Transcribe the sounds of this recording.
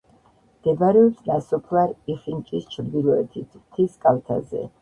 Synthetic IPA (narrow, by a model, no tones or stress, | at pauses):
d̪̥ɛbaɾɛɔpsnasɔpʰlˠaɾiχint͡ʃʼist͡ʃʰɾd̪ilˠɔɛt̪ʰit̪ʰt̪ʰiskʼalt̪ʰa̰zɛ̰